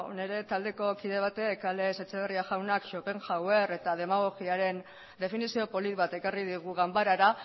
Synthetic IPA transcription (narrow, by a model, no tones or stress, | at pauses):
o̰ne̞ɾe̞t̪ald̪e̞ko̞kiðe̞β̞at̪ekale̞set͡seβeriaʝawnakʃo̞pe̞ŋʝawe̞re̞t̪að̞e̞maɣ̞o̞ɣiaɾe̞n | d̪e̞finisio̞po̞lit̪βat̪e̞karið̞iɣ̞uɣambaɾaɾa